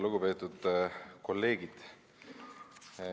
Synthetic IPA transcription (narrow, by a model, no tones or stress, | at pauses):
luɡ̥upe̞ːt̪ːˑud̪̥ko̞lːe̞ːɡid̪̥